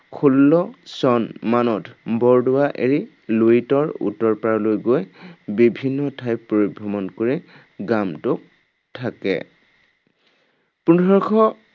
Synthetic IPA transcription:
kʰulːɔsɔnmanɔtʰbɔɹdʊwaʔḛɹi | loitɔɹṵtɔɹpaɹɔlojɡojbibʱinːɔtʰajpːoɹibʱɹɔmɔnkoɹi | ɡamtʊk̚ | tʰakɛ̰ | punʱɔɹkʰɔ

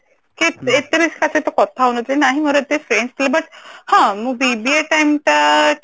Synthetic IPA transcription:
kit̪et̪əɾit͡skaset̪okɔt̪ʰaɦonət̪lenaɦiməɾət̪efɾeɳst̪ilebəʈhãməɡ̚bibieʈajmt̪a

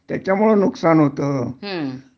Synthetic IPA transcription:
t̪jat͡ɕjamuɭənuksanɦot̪əː

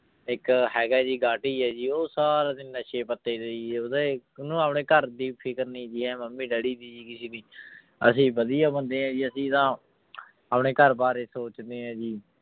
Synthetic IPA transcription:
ɪkɦɛːɡaːd͡ʒiːɡaːʈiːɛːd͡ʒiːoːsaːɾaːd̪ɪnːaːʃeːpət̪ːeːd̪eiːʊd̪enũːəːpɳeːkəɾd̪iːpʰɪkəɾniːd͡ʒiːɦɛ̃ːməmːĩːɖəɽiːd̪iːd͡ʒiːkɪseːniː | ə̰sĩːbəd̪ijaːbənd̪eːɦãːd͡ʒiːəsĩːt̪ãː | əpɳeːkəɾbaːɾeːsoːt͡ʃd̪eːɦãːd͡ʒiː

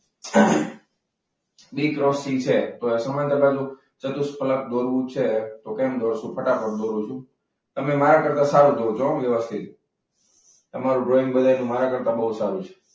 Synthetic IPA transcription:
bikɾɔfsit͡ʃʰet̪oesəmənt̪ʰəbad͡ʒũ | t͡ʃət̪uspələp̚d̪oɾʋũt͡ʃʰet̪okemd̪ʱoɾsũpʰəʈapəɾd̪oɾũt͡ʃʰũ | t̪əmemaɾakəɾt̪ãsaɾũd̪od͡ʒoʋjəʋəst̪ʰit̪ | t̪əmaɾũɖɾoĩŋbəd̪ʱajnũmaɾakəɾt̪ãbəɦut̪saɾũt͡ʃʰe̥

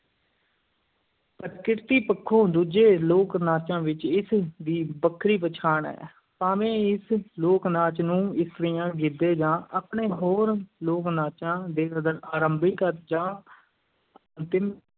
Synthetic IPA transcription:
pətkɪɾt̪iːpəkʰːõːd̪uːd͡ʒeːloːknaːt͡ʃãːʋɪt͡ʃɪsd̪iːbəkʰːɾiːpət͡ʃʰaːɳɛ̰ː | paːʋẽːɪsloːknaːt͡ʃnũːɪst̪əɾɪjãːɡɪd̪eːd͡ʒãːʔaːpɳeːɦoːɾloːknaːt͡ʃãːd̪eːkəd̪əɾaːɾəmbiːkəɾd͡ʒãː | ənt̪ɪm

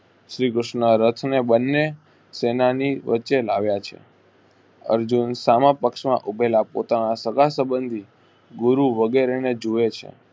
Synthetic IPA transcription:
ʃɾikɾʊʃnəɾət̪ʰnebənːe | senaniʋʔə̰tːʃelaʋjat͡ʃʰḛ | ə̰ɾd͡ʒunsamãpəkʃmãʔubʱelapo̰t̪anasəɡasəbənd̪ʱi | ɡuɾuʋəɡeɾened͡ʒuet͡ʃʰḛ

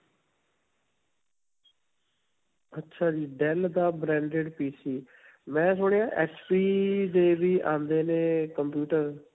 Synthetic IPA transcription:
ətːʃʰaːd͡ʒiːɖɛld̪aːbɾɛ̃ːɳɖeɖpiːsiː | mɛ̃ːs̬oːɽeːãːʔɛːspiːd̪eːʋiːʔã̰ːnd̪eːneːkəmpjuːʈəɾ

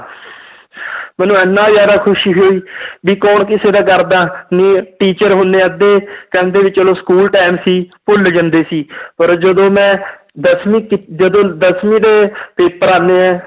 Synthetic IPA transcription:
mɛ̃ːnũːɛːnːãːzjaːd̪aːkʰʊʃiːɦoːiːbiːkɔːɳkɪseːd̪aːkəɾd̪aːniːʈiːt͡ʃəɾɦõnd̪eːd̪eːkɛ̃ːnd̪eːʋɪt͡ʃəloːskuːlʈaːɪmsiːpʊld͡ʒənd̪eːsiːpəɾd͡ʒəd̪õːmɛ̃ː | d̪əsmĩːkɪd͡ʒəd̪õːd̪əsmĩːd̪eːpeːpəɾaːneːɛ̃ː

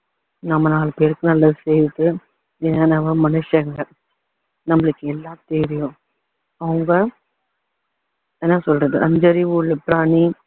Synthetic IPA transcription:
nɐmːɐnaːɭɐpːeɾɯkːɯnɐlːɐðɯsɛjɾɯʈ̪ːɯ | ɛnɐnɐʋɐmɐnɯʂɐŋɡɐ | nɐmːɐɭɯkːɯɛlːãːt̪ɛɾɪjʊ̃ | ɐʋɯŋɡɐ | ɛnːasɔlɾɐðɯʔɐɲd͡ʒɐɾiuːɭːɯpɾaːɳi

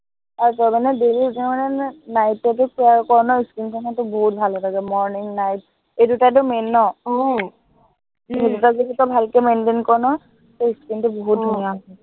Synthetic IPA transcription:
aɹutɔjmanɛdelidutimanɛnajtːɔtʊkuakɔɹnɔiskɹinkʰɔnatʊboɦut̚bʱalɛtaɡɛmɔɹniŋnajt̚ | ejdutat̬ʊmɛnːɔ | edutazeditɔbʱalkɛmɛndenkɔɹnɔ | toiskɹintʊboɦut̚dʱunijaɛ

